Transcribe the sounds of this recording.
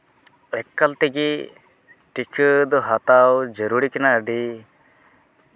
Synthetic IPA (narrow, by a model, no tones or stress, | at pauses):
ɛkːalt̪eɡi | ʈikʰɯd̪ɔɦat̪awd͡ʒəɾuɾikinaəɖi